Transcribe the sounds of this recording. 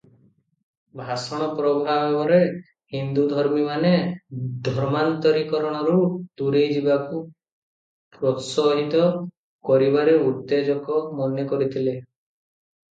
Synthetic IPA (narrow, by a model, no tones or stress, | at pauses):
bʱasɔɽ̃ɔpɾɔbʱabebɔɾe | hind̪ud̪ʱɔɾmimaned̪ʱɔɾmant̪ɔɾikɔɾɔɽ̃ɔɾud̪uɾejd͡ʒibaku | pɾɔsɔɦit̪ɔ | kɔɾibaɾeuɾt̪ed͡ʒɔkɔmɔnjɔkɔɾit̪ʰile